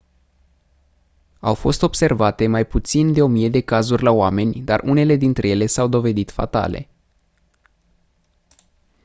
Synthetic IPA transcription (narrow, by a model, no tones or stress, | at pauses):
awfo̞st̪o̞b̥se̞rvat̪e̞majput̪sind̪e̞o̞mije̞d̪e̞kazurʲlaoame̞nʲd̪arʔune̞le̞d̪int̪ɾe̞je̞le̞sawd̪o̞ve̞d̪it̪fa̰t̪a̰le̞̰